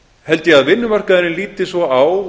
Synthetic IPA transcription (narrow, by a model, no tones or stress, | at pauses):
hɛlt̪ɪjɛɣaðvɪnːʏmar̥kaðɪɾɪnliːt̪ɪsvɔaːw